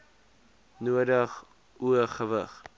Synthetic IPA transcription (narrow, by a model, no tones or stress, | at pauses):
nuədəχ | uəχəvə̰χ